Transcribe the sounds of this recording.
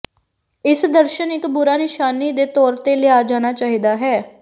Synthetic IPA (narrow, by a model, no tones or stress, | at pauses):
ɪsd̪əɾʃənɪkbʊɾaːnɪʃaːniːd̪eːt̪ɔːɾt̪eːlɪaːd͡ʒaːnaːt͡ʃaːɦiːd̪aːɦɛː